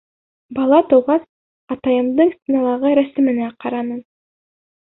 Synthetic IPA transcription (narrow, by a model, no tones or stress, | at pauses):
bɑlˠɑt̪ɤ̆wʁɑs | ɑt̪ɑjɤ̆md̪ɤɴsʲt̪ʲinɑlˠɑʁɤɾæsɘ̆mɘ̆næqɑɾɑnɤn